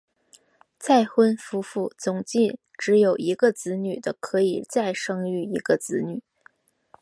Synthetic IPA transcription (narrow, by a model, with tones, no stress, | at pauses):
t͡sa˥˩ɪxwə˥nfu˥fu˥˩t͡sʊ˨˩ŋt͡ɕi˥˩n | ʈ͡ʂɻ̩˧˥jo˨˩ʊi˧˥ɡə˧t͡sɹ̩˧˥ny˨˩d̪ə˦kʰɤ˧˥i˨˩t͡sa˥˩ɪʂɤ˥ŋy˥˩i˧˥ɡ̥ə˧t͡sɹ̩˧˥ny˨˩˦